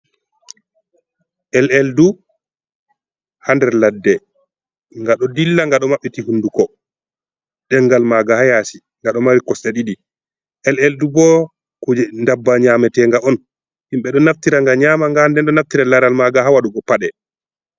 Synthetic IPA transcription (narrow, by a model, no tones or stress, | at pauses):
ʔɛlɛldu | handɛɾladːɛ | ŋɡaɗɔdilːaŋɡaɗɔmaɓːitihundukɔ | ɗɛŋɡalmaɡahajasi | ŋɡaɗɔmaɾikɔsaɗiɗi | ʔɛlɛldubɔ | kud͡ʒɛndabːaɲamɛtɛŋɡaɔn | himɓɛɗɔnaftiɾaŋɡaɲaːmaŋɡandɛnɗɔnaftiɾalaɾalmaɡaɦawaɗuɡɔpaɗɛ